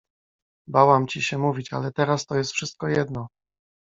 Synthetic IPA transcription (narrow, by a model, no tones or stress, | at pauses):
bawamt͡ɕiɕɛmuvʲit͡ɕa̰lɛt̪ɛɾast̪ɔjɛst̪fʂɘst̪̚kɔjɛd̪nɔ